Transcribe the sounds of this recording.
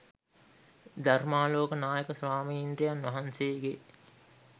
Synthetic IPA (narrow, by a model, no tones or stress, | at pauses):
d̪ɐrmaːloːkənaːjəkəsʋaːmiːnd̪ɾijanʋɐɦɐnsejːɡe